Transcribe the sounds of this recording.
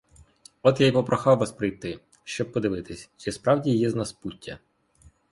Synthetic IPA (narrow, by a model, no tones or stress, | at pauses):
ɔt̪jajpɔpɾʔɔxɑwːɐspɾɪjt̪ɪ | ʃt͡ʃɔb̚pɔd̪ɪʋɪt̪ɪsʲt͡ʃɛspɾɑwdʲijɛznɐsputʲʰːɐ̰